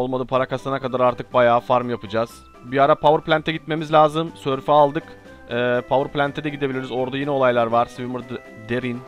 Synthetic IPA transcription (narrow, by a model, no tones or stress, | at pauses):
olˠmad̪ɯpʰaɾakast̪anakad̪aɾaɾt̪ʰɯk̚bajaːfaɾmjapɯd͡ʒaːz̥ | biaɾapʰavɯɾplʲænt̪ʰɛɟit̪me̞mizlʲaːzɯmsøɾfaaːlˠd̪ɯk | ɛːpʰavɯɾplʲænt̪ʰɛd̪ɛɟid̪ebilʲiɾizo̞ɾd̪ajenɛo̞lˠajlˠaɾvaɾ̥svimuɾ | d̪eɾin